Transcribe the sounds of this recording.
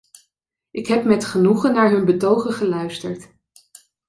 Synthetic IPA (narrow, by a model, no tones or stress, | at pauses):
ʔɪkɦɛpmɛtχənuχənːaːɹɦɵnbətowχəχəlœɥstəɹt